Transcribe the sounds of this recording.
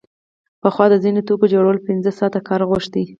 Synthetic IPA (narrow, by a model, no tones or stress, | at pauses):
pəxwɑd̪əzinot̪okod͡ʒoɽəlopɪnzəsɑt̪akɑɾɣoʃd̪i